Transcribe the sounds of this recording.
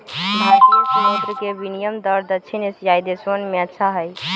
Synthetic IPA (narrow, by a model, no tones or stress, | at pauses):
mad̪əsəmot̪ɾkeʋinijəmd̪əɾd̪ət͡ʃʰinesjajd̪esʋənmeətːʃʰaɦəj